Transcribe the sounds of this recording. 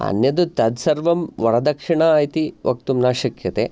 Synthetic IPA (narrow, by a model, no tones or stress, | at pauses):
ɐ̰njɐd̪ut̪ɐd̪sɐɾʋɐmʋɐɽɐd̪ɐkʂiɳɐːjt̪iʋɐk̚t̪umnaːʃɐkjɐt̪eː